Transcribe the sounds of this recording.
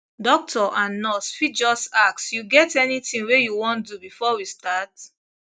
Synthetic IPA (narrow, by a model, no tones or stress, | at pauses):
dɔk̚tʰɔʔãnːɔsfid͡ʒɔsaksjuɡɛtɛnitĩŋwejuwɔ̃ntdubifɔwistat